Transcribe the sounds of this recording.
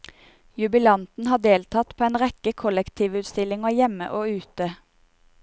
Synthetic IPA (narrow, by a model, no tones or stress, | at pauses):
jʉbɪlɑnt̪n̩hɑːd̪eːlt̪ʰɑt̪pʰoːeːnʁɛkəkʰɔlɛkt̪ʰiːʋʉːt̪st̪ɪlɪŋoːjɛmə̰ʔoːʉːt̪ə